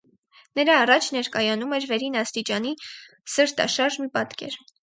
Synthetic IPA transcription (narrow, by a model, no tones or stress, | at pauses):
nəɾɑːrɑt͡ʃʰnɛɾkɑjɑnumɛɾvɛɾinɑst̪it͡ʃɑni | səɾt̪ɑ̰ʃɑɾʒmipɑt̪kɛ̰ɾ